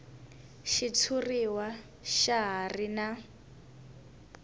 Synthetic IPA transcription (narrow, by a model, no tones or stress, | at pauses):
ʃit͡sʰuriwa | ʃaɦarina